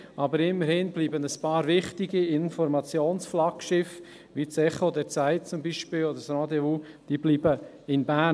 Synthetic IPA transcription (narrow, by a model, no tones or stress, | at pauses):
ʔɑbəɾɪmːəɾhɪnbliːbənəspɑːɾvɪχtiɡiɪnfɔɾmɑt͡sjoːnsflɑkʃɪf | ʋit͡sɛχod̪ɛɾt͡sæɪt̚t͡sʊmbiʃpɪlod̪əɾsɾad̪euːd̥iːbliːbə | ɪnbæ